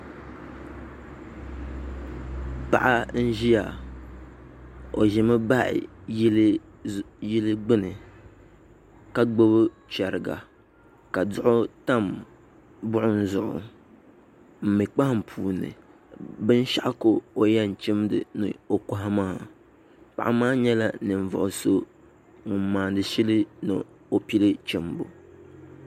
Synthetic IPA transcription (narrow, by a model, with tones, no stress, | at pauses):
pa̰˨ʔa˦n̩˦ʒi˦ja˨ | o˨ʒɪ˨mɨ˦ba˦ʔɪ̰˨˦l | ji˦lɨ˦ɡ͡bɨ˦nɨ˨ | ka˦ɡ͡bo˦bɨ˦ | t͡ʃɛ˨ɾɨ˨ɡa̰˨ | ka˨dʊ˦ʔʊ˦ta˦m | bʊ˦ʔʊ˦n̩˦zʊ˨ʔʊ̰˨ | m̩˨mɨ˨k͡pa˦hɪ˦m̩˨pʰuː˨nːɨ̰˨ | bɨ˦n˦ʃa˦ʔko˦o˨ja˦˨n̩˨t͡ʃɪ˦mdɨ̰˨nɨ̰˨o˨ka˦ɦa˦maː˦˨ | pa̰˨ʔa˦maː˦ɲɛ˦la˦˨nɨ˨ɱ˨vʊ̰˨ʔʊ˨so˦ | ŋʊ˨m̩˦maː˨dɨ˨ʃi˦lɨ˦nɨ̰˨ | o˨pi˦lɨ˦t͡ʃɛ˨mbo̰˨